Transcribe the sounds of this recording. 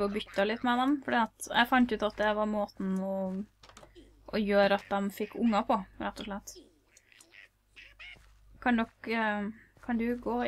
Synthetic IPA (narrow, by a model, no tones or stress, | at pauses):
ɔbʏt̪ːɑlɪt̪ːmɛd̪ɛmfɔɖiːɑt̪jʔɛ̰ɪfɑnt̪ʉːt̪ɑt̪̚d̪ɛʋɑɾmoːt̪n̩ɔ | ʔɔjøːɾəɑt̪̚d̪ɛmfɪkːʊŋːɑpʰɔɾɛt̪ːɔʂɭɛt̪ː | kʰɑnd̪ɔk | kʰɑnd̪ʉɡoː